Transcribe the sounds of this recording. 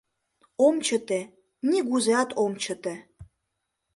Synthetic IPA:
omt͡ɕət̪e | nʲiɣuzeɑt̪ʰomt͡ɕə̆t̪e

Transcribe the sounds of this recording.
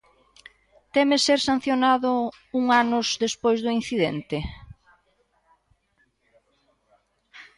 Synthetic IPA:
t̪ɛmeseɾsan̟θjonaðʊ | uŋanʊzðespojzðʊin̟θiðɛnt̪ɪ

